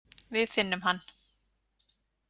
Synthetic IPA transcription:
vɪðfɪnːʏmɦanː

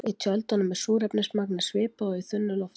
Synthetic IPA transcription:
it̪ʰjœlt̪anʏmɛsuːɾɛpnɪsmak̚nɪsvɪːpaɔiθʏnːʏlɔft̪

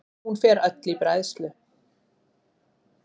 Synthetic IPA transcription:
hunfɛːɾœt̪lipɾajðst̪lʏ

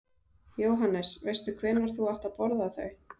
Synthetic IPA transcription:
joːwɦanːɛsvejst̪ʏkʰvɛːnvaɾ̥θuaht̪apɔɾðaθœɥ

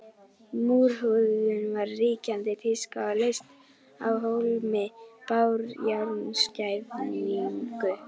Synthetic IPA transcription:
muːɾ̥hʏðʏnvaɾːiːcant̪ɪt̪ʰɪlskawalejst̪ | a̰wɦowlmɛpawɾjawɾnscajvniŋkʏ

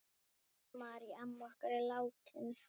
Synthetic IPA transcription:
maɾiamːwahkaɾɛlawt̪ʰɪn

